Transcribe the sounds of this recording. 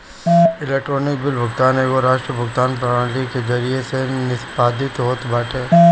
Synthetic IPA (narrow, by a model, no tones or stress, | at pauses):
ɪleːk̚ʈɾoːnɪk̚bɪlbʱʊɡt̪aːneːɡoɾaːʃʈɾəbʱʊɡt̪aːnpɾaaɳlikezɐɾijesenɪspaːd̪ɪt̪ɦoːt̪baːʈeː